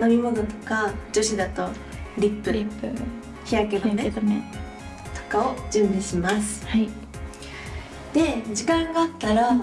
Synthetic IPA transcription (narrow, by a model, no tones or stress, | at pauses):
no̞mʲimo̞not̪o̞̥kad͡ʑo̞ɕid̪at̪o̞ | ɾʲipːɯ̟ɾi | çiɾaket̪amet̪me | t̪o̥kao̞d͡ʑɨ̃mbi̟ɕimasɨ̥hai | d̪̥e̞d͡ʑikãŋɡaːt̪ːaɾa